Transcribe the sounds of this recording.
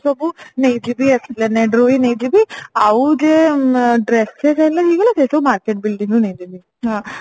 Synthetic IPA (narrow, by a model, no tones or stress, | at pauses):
sɐbunejd͡ʒibiɐsleneɖɾuʋinejd͡ʒibiɐʋud͡ʒeɖɾesːeːsɐilːaiːɡɐlɐt̪eːsɐbumaːɾkeʈ̚bilɖiŋɡunejd͡ʒibi | ɦaː